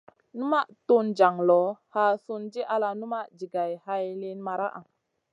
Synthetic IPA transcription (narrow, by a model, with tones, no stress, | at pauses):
nu˦ma˦ʔtu˦nd͡ʒa˨ŋlɔ˨˦ha˦su˧nd͡ʒi˦ʔa˧la˧nu˦ma˦ʔd͡ʒi˨ɡa˨jha˧jle˦nma˨ɾa̰˦ʔa˨